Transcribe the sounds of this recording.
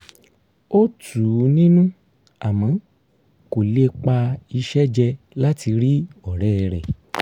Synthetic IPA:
o˦tuː˨˦nĩ˦nũ˦ | a˨mã˨˦ | ko˨le˦k͡pa˧i˧ʃɛ˦d͡ʒɛ˧ | la˦ti˧ɾi˦ɔ˨ɾɛː˦ɾɛ̰˨

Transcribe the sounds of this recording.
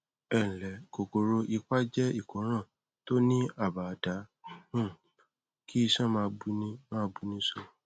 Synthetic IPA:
ɛ̃˨lɛ˨˦ko˨ko˨ɾo˧ʔi˧k͡pa˦d͡ʒɛ˦i˦˨kõ˨˦ɾ̃ã˦˨ | to˦nĩ˦a˦˨ba˨da˨˦ũ˦˨ | kʰi˦i˧ʃã˦mãː˧bu˧nĩ˧mã˦bu˧nĩ˧˦so˧

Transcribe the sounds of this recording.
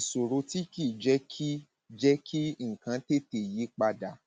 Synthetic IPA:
so˨ɾo˧ti˦ki˦˨d͡ʒɛ˦ki˦ | d͡ʒɛ˦kʰi˦ŋ̩˨kã˨˧te˦te˨ji˨˦k͡pa˧da˨

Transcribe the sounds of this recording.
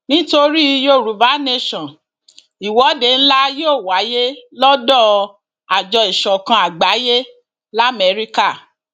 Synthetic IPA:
nĩ˦to˧ɾi˦jo˦˨ɾu˨˦va˨˦ne˦˧ʃɔ̃˨n | i˨wɔ˨˦de˧˨n̩˦la˦joː˦˨wa˨˦je˦lɔ˦dɔ˦˨ | a˨d͡ʒɔ˧i˨ʃɔ̃˨kã˧a˨ɡ͡ba˨˦je˦ | la˦˨mɛ˧˦ɾi˦ka˦˨

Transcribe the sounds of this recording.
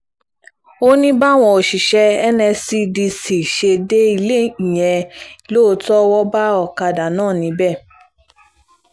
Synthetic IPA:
o˦nĩ˦ba˦w̃ɔ̃˧o˨ʃi˨ʃɛ˧ɛ˦nɛ̃˧si˦di˧si˨ʃe˧de˦i˧le˦i˨j̃ɛ̃˧i˨lo˦˧tɔ˦wɔ˦ba˦ɔ˦˨ka˧da˨nãː˦˨nĩ˨˦bɛ˦˨

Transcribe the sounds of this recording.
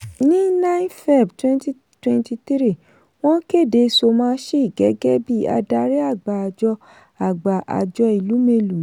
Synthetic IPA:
nĩ˦nã˦nfɛ˦˨btwɛ̃˦nti˦ | twɛ̃˧nti˧t̪i˦ɾi˦˨ | w̃ɔ̃˦ke˦˨de˧so˧mãː˦ʃe˦i˦˨ɡɛ˨˦ɡɛ˦bi˦a̰˧da˧ɾɛ˦a˦˨ɡ͡ba˨a˧˨d͡ʒɔ˧ | a˨ɡ͡ba˨ʔa̰˨d͡ʒɔ˧i˨lu˨˦me˧lũ˨˦

